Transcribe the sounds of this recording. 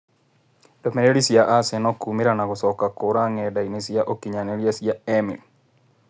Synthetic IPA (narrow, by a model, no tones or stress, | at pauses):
dɔmeɾeɾisjaʔasɛnɔkumeɾanaɡɔsɔkakoɾaŋɛdainesiaʔokiɲaneɾjasjaɛmḭl